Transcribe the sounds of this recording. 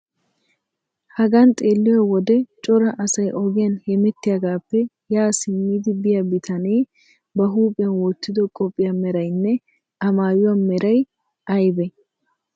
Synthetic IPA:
hɐɡɐnt̪ʼeːlːɪwɐwɔd̪ɛt͡ʃʼɔɾɐʔɐsɐjʔɔɡɪjɐnhɛmɛt̪ːɪjaɡaːpːɛ | jaːsɪmːiːd̪ɪbɪjɐbɪt̪ʰɐneː | bɐɦuːpʼɪjɐnwɔt̪ːɪd̪ɔkʼɔpʼːɪjɐmɛɾɐjnːɛ | ɐmaːjʊwɐnmɛɾʔɐj | ʔɐjbɛ

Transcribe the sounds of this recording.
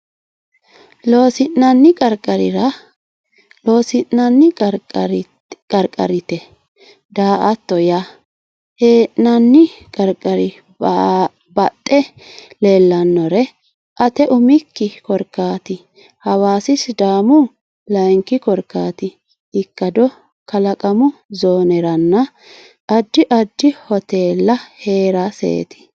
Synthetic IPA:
loːsɪʔnɐnːɪkʼɐɾkʼɐɾɪɾɐ | loːsɪnnɐnːɪɾ | kʼɐɾkʼɐ̰ɾɪt̪ɛ | d̪aːʔɐt̪ːɔja | heːʔnɐnːɪkʼɐɾkʼɐɾɪ | bɐt̪ʼːɛleːlːɐnːɔɾɛ | ʔɐt̪ɛʔʊmɪkːɪkɔɾkːaːt̪ɪ | hɐwaːsɪsd̪aːmʊ | lɐŋkːɪkɔɾkːaːt̪ɪ | ɪkːɐd̪ɔ | kɐlɐkʼɐmʊzoːnɛɾɐnːɐ | ʔɐd̪ːɪʔɐd̪ːɪhɔt̪eːlːɐhe̞ːɾasḛːt̪ɪ̥

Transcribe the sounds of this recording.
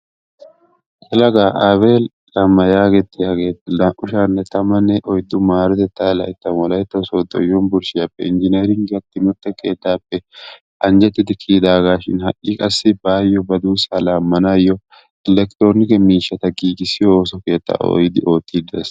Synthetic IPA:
ʔɛlɐɡaːʔaːbeːl | lɐmːɐjaːɡɛt̪ːɪjaːɡe̞ːt̪ːɪlɐʔʊʃaːnːɛt̪ɐmɐnːɛʔɔjd̪ːʊmaːɾɛt̪ɛt̪ːaːlɐ̰jt̪ːɐmɔlɐjt̪ːɐsoːd̪ːɔ̰jɔnbʊɾʃɪjapːɛ̰ɪnd͡ʒɪneːɾɪŋɡɡɐt̪ːɪnʊt̪ːɛkʼḛːt̪ːaːpːɛ | ʔɐnd͡ʒɛt̪ːɪd̪ɪkʰiːd̪aːɡaːʃɪ̰nhɐ̰ʔʼːikʼɐsːɪbaːjːɔbɐd̪uːsaːlaːmːɐnajːɔ | ɛlɛkt̪ɾonɪkɛmiːʃːɐt̪ɐɡiːɡɪsɪjɔoːsɔke̞ːt̪ːa̰o̰jɪd̪ɪʔo̞ːt̪ːɪd̪ḛs

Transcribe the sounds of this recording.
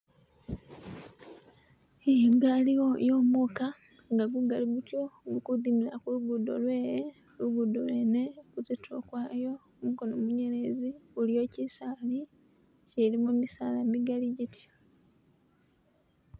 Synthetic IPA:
ejeɡaliojo̞ːmuka | ŋɡaɡuɡaliɡutjo̞ɡukudimiɾakuluɡudo̰lwe̞ːɾe | luɡudolwe̞nekuzetʰokwaːjo̞ | muɡonomuɲe̞ɾe̞ziulijo̞cisaːli | ce̞ɾimumisaːlamiɡaliɟitʰj

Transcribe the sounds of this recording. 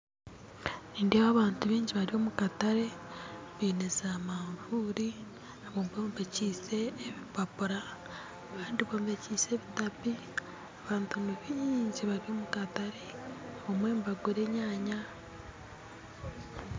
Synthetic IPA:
niːndeβaːβaːntuβiːɲɟiβaɾiβo̞mukataɾe̞βiːnezamaɱvuːɾi | aβoːmboːmumbeciːse̞ːβipapuɾaː | βaːndiβoːmbeciːse̞ːβitapi | aβaːntunuβiːɲɟiβaɾiβo̞mukataɾe̞omwe̞ːmbaɡuɾe̞ɲaːɲa

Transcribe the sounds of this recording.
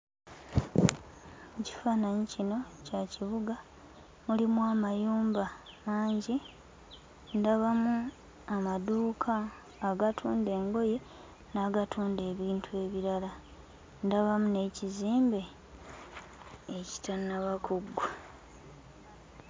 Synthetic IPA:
muci̥fanaɲicino̞caciβuɡa | mulimwamajuːmbamaːɲɟi | ndaβamu | amaduːkʰaː | ɡatʰuːnde̞ːŋɡo̞je̞ | naːɡatʰuːnde̞ːβiːntʰue̞ːβiɾala | ndaβamune̞ciziːmbe̞ | eci̥tanaβakʰoɡːa

